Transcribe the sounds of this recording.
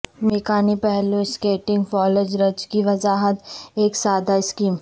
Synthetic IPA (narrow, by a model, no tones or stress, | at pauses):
meːkaːnipɛɦluɪskeːʈɪ̃ŋɡfɔːled͡ʒɾɐd͡ʒkiʋɐzaːɦət̪eːksaːd̪aɪskiːm